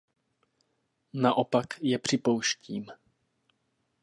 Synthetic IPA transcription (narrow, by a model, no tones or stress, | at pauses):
naʔopakjɛpr̝̥ɪpo̞wʃciːm